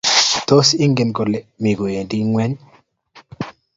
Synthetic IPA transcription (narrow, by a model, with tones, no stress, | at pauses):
t̪o˦si˦ŋɡɪ˨nko˨le˨mi˨ɡo˨e˨ndi˦ŋwɛ˦ɲ